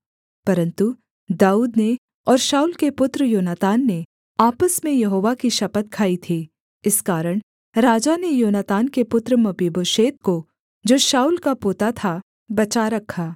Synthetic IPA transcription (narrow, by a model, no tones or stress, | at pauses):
pɐɾə̃nt̪u | d̪aːuːd̪ne | ɔːɾʃaːuːlkepʊt̪ɾəjoːnaːt̪aːnːe | aːpəsmẽjɐɦoːʋakiʃɐpət̪̚kʰaːit̪ʰiː | ɪskaːɾəɽ̃ | ɾaːd͡ʒanejoːnat̪aːnkepʊt̪ɾəmɐbeːboːʃeːt̪̚ko | d͡ʒoːʃaːuːlkapoːt̪at̪ʰa | bɐt͡ʃaɾɐkʰːaː